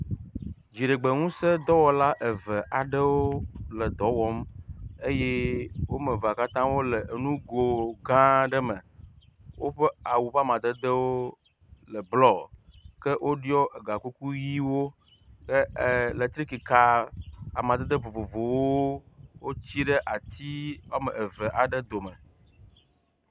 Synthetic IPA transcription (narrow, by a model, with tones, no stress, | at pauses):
d͡ʑi˨ɖe˨ɡ͡be˨ŋũ˦sə˦d̪ɔ˦wɔ˨la˦ʔe˨və˨ʔa˨ɖə˦wo˦lə˨d̪ɔ˨˦wɔ˦me˦je˦wo˦mə˨va˨ka˦t̪ã˦wo˦lə˨nũ˦ɡo˨ɡã˦ɖə˦mə̃˨ | wo˦ɸə˦a˨wu˨ɸa˦˨mã˨d̪ə˦d̪ə˦wo˦ | lə˨blɔ˦kə˦ʔwʔo˦ɖi˦ɔ˦ʔə˨ɡa˨ku˦ku˦ji˦wo˦ | kə˦˨lə˨t̪ɾi˦ki˨ka˦a̰˨mã˨d̪ɛ˦d̪ə˦vo˨vo˨vo˨wo˦wo˦t͡ɕi˦ɖə˦ʔa˨t̪i˦wa˦mə̃˨ʔe˨və˨ʔa˨ɖə˦d̪o˨mə˨